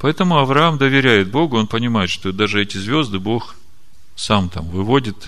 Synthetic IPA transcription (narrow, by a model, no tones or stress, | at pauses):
pɐɛt̪əmʊɐvɾɐamd̪əvʲɪɾʲæjɪt̪̚bo̞ɡʊo̞npənʲɪmajɪt̪ʂt̪od̪aʐɨɛtʲɪzvʲo̞zd̪ɨbo̞x | samt̪a̰mvɨvo̞dʲɪt̪